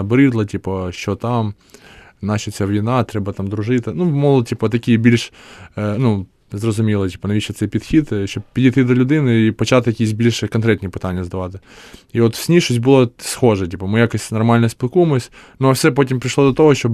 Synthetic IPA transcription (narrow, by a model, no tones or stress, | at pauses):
ɐbɾɨd̪lˠɐtʲipəɕot̪am | nat͡ɕɪsʲavvʲɪnat̪ɾʲɛbət̪amd̪ɾʊʐɨt̪ənumolˠtʲipət̪ɐkʲijəbʲilʲʂ | nu | zrəzʊmʲilˠətʲi̥pənɐʋʲiɕɪt̪səpʲɪt̪xʲit̪ɕʲoppʲɪdʲit̪ɨd̪ɐlʲʊd̪ɨnɨipɐt͡ɕat̪kɐkʲis̬ʲbʲilʲʂɨkɐnkɾʲet̪nʲɪjpɨt̪anʲɪjəzd̪ɐʋat̪ɐiot̪sʲnʲiʂʊsʲbɨlˠɐsxo̞ʐɨtʲipəmɨjakəsʲtʲnɐrmalʲnəjəsʲpʲɪlˠkuməsʲnofsʲɛp̬otʲɪmpɾʲɪʂlˠod̪ɐt̪oɦoɕtob